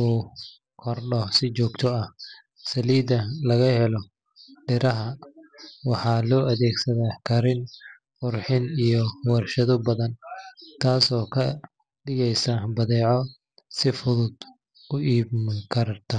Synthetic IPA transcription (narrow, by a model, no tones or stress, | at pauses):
uː | kʰɔrɖɔsɪt͡ʃɔːɡt̪ʰɔɐh | sɐliːd̪ɐlɐɣɐhɛlɔ | ɖɪɾɐɦɐ | wɑħɑːlɔːʔɐðɛːɡsɐðaːkʰɐɾɪn | qʊrħɪnijɔwɐrʃɐðɔbɐðɐnt̪ʰaːsɔːkʰɐ | ɖɪɣɛjsɐbɐðɛːʕɔ | sɪfʊðʊd̪ | ʊʔiːbmɐŋkʰɐɾɐrt̪ʰɐ